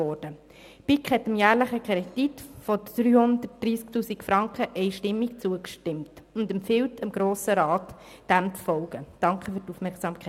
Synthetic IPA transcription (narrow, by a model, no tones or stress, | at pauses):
ɔɾd̥ə | pikχhɛtəmjæːɾləχəkɛd̥itfɔd̥ɾyːhʊndət̚d̥ɾiːsktuːsikfɾɑŋkχəʔɛɪʃtɪmːikt͡suəkʃtɪmt | ʊndɛmfɪwtəmɡ̥ɾoːsəɾɑːt | d̥æmt͡sfɔlɡ̥əd̥ɑŋkχəfyɾtufmɛɾksɑːmkʰɛ